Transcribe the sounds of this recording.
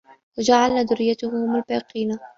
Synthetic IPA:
wad͡ʒaʕalnad̪ʊrːɪjːat̪ʊhʊmʊlbaːqiːna

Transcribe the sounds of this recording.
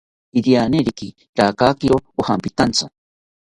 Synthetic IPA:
iɾianeɾiki | ɾaːkaːkiɾoohampit̪ant͡sʰo

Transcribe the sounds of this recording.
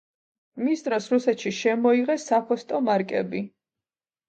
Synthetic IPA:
mist̪ʼɾɔsɾusɛt̪ʃiʃɛmɔiʁɛsapʰɔst̪ʼɔmaɾkʼɛ̰bi

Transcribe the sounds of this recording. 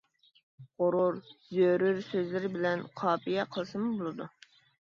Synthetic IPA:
ʁoɾʊɾzøɾyɾsøzlɪɾɪbɪlɛnqʰɑːpijɛqʰəlˠɨsɨmubolˠɨd̪u

